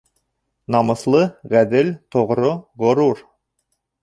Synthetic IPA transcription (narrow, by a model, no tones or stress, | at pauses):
nɑmɤ̆slˠɤʁæd̪ɘlt̪ŏʁɾoʁŏɾuɾ